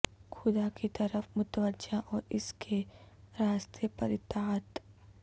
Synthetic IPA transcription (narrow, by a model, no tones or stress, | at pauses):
xʊd̪akit̪ɐɾəfmʊt̪əʋəʒaʔɔːɾɪskʰeɾaːst̪iəpɐɾɪt̪aːt̪